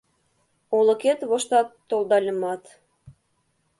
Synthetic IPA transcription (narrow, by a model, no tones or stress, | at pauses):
olɤ̆ket̪βoʃt̪ɑt̪ːolˠd̪ɑlʲə̆mɑt̪